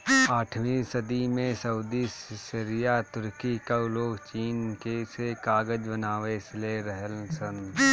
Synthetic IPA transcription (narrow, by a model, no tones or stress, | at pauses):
aːʈʰʋĩsəd̪imẽsɐʊd̪issɪɾijat̪ʊɾkikaʊloːkt͡ʃiːnkesekaːɡəd͡ʒbənaːʋesleɾəɦəlsən